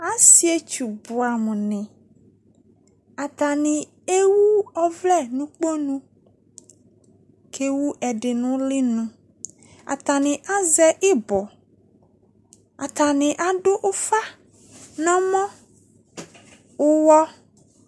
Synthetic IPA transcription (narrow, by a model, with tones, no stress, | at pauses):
a˦si˦e˦t͡ʃu˨bʊ˨a˨mʊ̃˨nɪ̃˨ | a˨t̪a˨nɪ̃˨ | e˦wu˦ɔ˦vlɛ˦˨nũ˦k͡po˦nũ˦ | kʰe˦wu˦ʔɛ˨ɖɪ˨nʊ̃˦lɪ˦nũ˦ | a̰˨t̪a˨nɪ̃˨ʔa˦zɛ˦ʔɪ˦bɔ˨ | a˨t̪a˨nɪ̃˨ʔa˦ɖʊ˦ʔʊ˦fa˦ | nɔ̃˦mɔ̃˦ | ʊ˦wɔ˦